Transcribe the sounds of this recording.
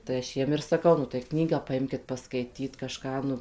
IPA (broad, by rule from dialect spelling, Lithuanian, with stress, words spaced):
tɐɪ ɐʃ ˈjiɛm ɪr sɐˈkɐʊ nʊ tɐɪ ˈknʲiːɡɑː pɐˈɪmʲkʲɪt pɐˈskɐɪtʲiːt kɐˈʃkɑː nʊ